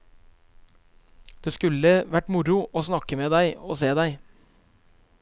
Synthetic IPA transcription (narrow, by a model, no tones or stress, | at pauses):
d̪̥eːskʉləʋæʈmʊɾʊʔoːsnɑkəmeːd̪æɪo̰ːseːd̪æɪ